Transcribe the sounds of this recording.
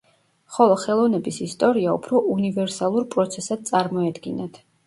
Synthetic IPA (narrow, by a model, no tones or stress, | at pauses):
χɔlˠɔχɛlˠɔvnɛbisist̪ʼɔɾiaupʰɾɔʔunivɛɾsalˠuɾpʼɾɔt̪sʰɛsad̪̚t̪sʼaɾmɔɛd̪ɡinat̪ʰ